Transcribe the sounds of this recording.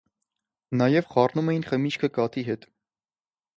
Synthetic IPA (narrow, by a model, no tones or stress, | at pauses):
nɑjɛvχɑrnumɛjinχəmit͡ʃkʰəkɑt̪iɦɛt̪